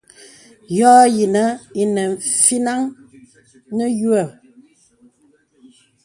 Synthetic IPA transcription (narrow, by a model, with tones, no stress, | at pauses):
jɔː˦ji˨nə˦i˦nɛ˨fi˦na˦ŋ | nə˦jwə˨